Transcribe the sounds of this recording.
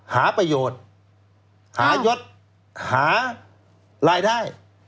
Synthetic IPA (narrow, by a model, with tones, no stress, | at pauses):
haː˩˦pɾa˧joː˨˩t̪̚ | haː˩˦jo˦˥t̪̚ | haː˩˦ | ɾaː˧jdaː˥˩j